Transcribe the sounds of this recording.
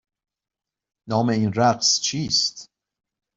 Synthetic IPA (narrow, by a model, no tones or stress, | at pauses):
nɒːmeiːnɾæqst͡ʃʰiːst̪